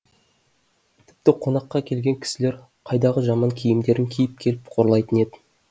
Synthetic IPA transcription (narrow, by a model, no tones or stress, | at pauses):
t̪ʰɪ̥p̚t̪ɪqʰo̞nɑqːɑkʲʰe̞lɡʲe̞ŋkʲʰɪ̥sɪleɾ | qʰɑjd̪ɑʁəʒɑmɑŋkʲʰijɪmd̪e̞ɾɪŋkʲʰijɪp̚kʲʰe̞lɪpqʰo̞ɾlˠɑjt̪əne̞d̪ɪ